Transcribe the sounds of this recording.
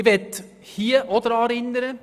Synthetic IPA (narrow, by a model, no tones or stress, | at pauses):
ʋɛt̪ | hiːəʔɔd̪əɾɑːɾɪnd̪əɾə